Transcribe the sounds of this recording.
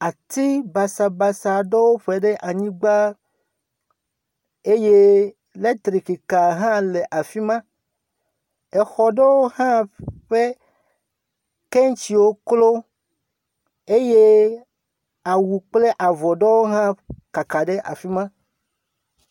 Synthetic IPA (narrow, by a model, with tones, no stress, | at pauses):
a˨t̪i˦ba˨sa˨ba˨sa˨ɖɔ˦wo˦ɸe˨ɖe˦ʔa˨ɲĩ˦ɡ͡ba˦ | e˦je˦ | le˦t̪ɾi˨ki˨ka˨ɦã˦le˨ʔa˨fi˦mã˦ | e˨xɔ˨ɖe˦wo˦hã˦ɸe˦ | ke˦ŋ˦t͡ɕi˨wo˦klo˦ | e˦je˦ | a˨wu˨k͡ple˦ʔa˨vɔ˨ɖɔ˦wo˦ɦã˦ka˨ka˨ɖe˦ʔa̰˨fi˦mã˦